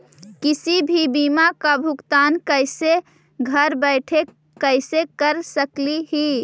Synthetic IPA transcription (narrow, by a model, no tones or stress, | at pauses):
kisibʱibimakabʱukt̪ankəɪse | ɡʱəɾbəɪʈʰe | kəɪsekəɾsəkliɦi